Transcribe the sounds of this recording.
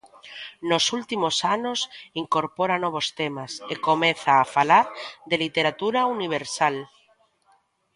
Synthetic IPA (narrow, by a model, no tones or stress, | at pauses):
nosult̪imosanosiŋkoɾpoɾanoβ̞ost̪emasekomẽθaːfalaɾðelit̪eɾat̪uɾauniβ̞eɾsal